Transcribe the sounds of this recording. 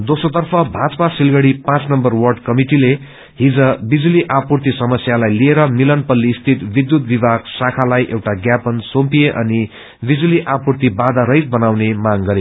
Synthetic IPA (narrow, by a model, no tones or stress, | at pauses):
d̪osot̪ʌrpʰʌbʱad͡zʌpasilɡʌɽipãt͡snʌmbʌrwʌrɖkʌmiʈile | ɦid͡zʌbid͡zuliʔapurt̪isʌmʌsjalajlieɾʌmilʌnpʌlːiːst̪ʰit̪bid̪jut̪̚bibʱaɡsakʰalajʔewʈaɡjapʌnsompijeʔʌ̰ni | bid͡zuliʔapurt̪ibad̪aɾʌjt̪̚bʌnawnemaŋɡʌɾe